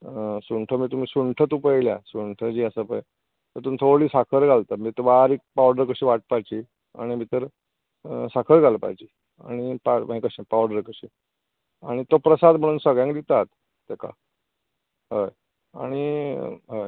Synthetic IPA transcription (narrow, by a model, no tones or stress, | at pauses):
suɳʈʰəmiːt̪um̤iːsuɳʈʰət̪upəjlja̰suɳʈʰəd͡ʑiːəsəpəj | t̪əɾt̪uːnt̪ʰoɭiːsakʰəɾɡʱalt̪əmiːt̪əɾbaɾik̚pawɖəɾkəɕiːʋaʈ̚pajt͡ɕiː | a̰ɽ̃imiːt̪əɾ | sakʰəɾɡʱalpa̰jt͡ɕiː | a̰ɽ̃ipamɦĩkəɕẽpawɽəɾkəɕiː | aɽ̃it̪opɾəsad̪m̤əɽ̃uːnsəɡɭjãŋkd̪it̪at̪ː | eka̰ | ɦəj | a̰ɽ̃iɦəj